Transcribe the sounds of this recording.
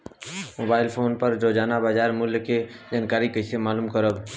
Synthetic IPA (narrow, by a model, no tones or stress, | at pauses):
moːbaːɪlpʰoːnpəɾɾoːd͡ʒaːnabaːd͡ʒaːɾmʊljked͡ʒaːnkaːɾikəsemaːluːmkəɾəb